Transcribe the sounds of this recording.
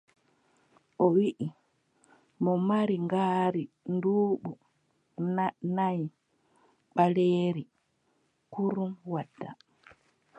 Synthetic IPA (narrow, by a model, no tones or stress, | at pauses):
ʔɔwiʔi | mɔmaɾiŋɡaːɾi | nduːɓu | naj | ɓaleːɾi | kuɾumwadːa